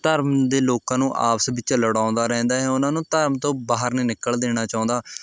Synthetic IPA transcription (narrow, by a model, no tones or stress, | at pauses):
t̪əɾmd̪eːloːkãːnũːʔa̰ːpsbɪt͡ʃləɽãːnd̪aːɾɛ̃ːnd̪aːɦɛːʊnãːnũːt̪əɾmt̪õːbaːɦəɾniːnɪkːəɭd̪eːɽ̃aːt͡ʃaːʊ̃ːnd̪aː